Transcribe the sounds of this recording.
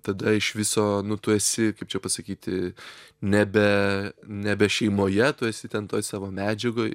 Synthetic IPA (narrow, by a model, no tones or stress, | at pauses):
t̪ɐd̪ɐɪʃʋʲɪsoːnʊt̪ʊɛsʲɪkɐɪpt͡ʃʲɛpɐsɐkʲiːt̪ʲɪnʲæbʲɛnʲæbʲɛʃʲɛɪmoːjɛt̪ʊɛsʲɪt̪ʲɛnt̪oːjsɑːʋoːmʲæːd͡ʒʲɛɡoːj